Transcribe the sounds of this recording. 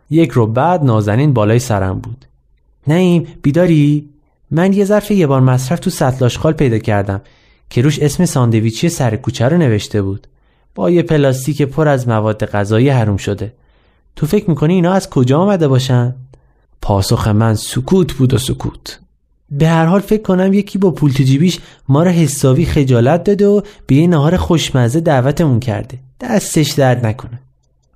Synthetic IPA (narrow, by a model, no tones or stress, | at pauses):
je̞cʰɾobæd̪nɒːzæniːnbɒːlɒːjesæɾæ̰mbuːd̪̥ | næiːmb̥iːd̪ɒːɾi | mænje̞zæɾfe̞je̞bɒːɾmæsɾæft̪ʰusæt̪ʰlɒːʃqɒːlpʰe̞jd̪ɒːcʰæɾd̪æm | cʰe̞ɾuːʃe̞sme̞sɒːnd̪e̞viːt͡ʃʰijesæɾekuːt͡ʃʰæɾone̞ve̞ʃt̪e̞buːd̪̥ | b̥ɒːjepʰe̞lɒːst̪iːcʰepʰoɾæzmævɒːd̪ːe̞ɣæzɒːjiɦæɾuːmʃo̞d̪e̞ | t̪ʰofe̞cʰmiːkʰo̞niːnɒːæzkʰo̞d͡ʒɒːmæd̪e̞bɒːʃ̬ænd̪ | pʰɒːsoxe̞mænsukʰuːt̪ʰbuːd̪osukʰṵːt̪ʰ | be̞hæɾhɒːlfe̞cʰkːonæmjecʰiːbɒːpʰult̪ʰed͡ʒiːbiːʃ | mɒːɾɒɦe̞sːɒːviːxe̞d͡ʒɒːlæt̪̚d̪ɒːd̪eob̥e̞jenæɦɒːɾexo̞ʃmæzed̪æːvæt̪ʰe̞muncʰæ̰ɾd̪e̞d̪̥æst̪e̞ʃd̪æɾd̪nækʰo̞ne